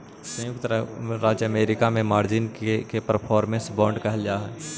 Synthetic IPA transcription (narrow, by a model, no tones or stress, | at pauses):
sə̃jʊk̚t̪ɾɾaːd͡ʒəmeːɾɪkamẽmaːɾd͡ʒɪnkepəɾpʰɔːɾmẽnsbɔ̃ːɳɖkɐɦɛld͡ʒaːɦɛː